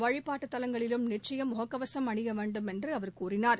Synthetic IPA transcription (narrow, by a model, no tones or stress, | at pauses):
ʋɐɻɪpːaːʈːɯt̪ːɐlɐŋɡɐɭɪlɯmnɪʈt͡ʃɐjɐmʊɦɐkːɐʋɐsɐmɐɳɪɣɐʋeːɳɖɯmɛndrɯɐʋɐɾkuːrɪnaːɾ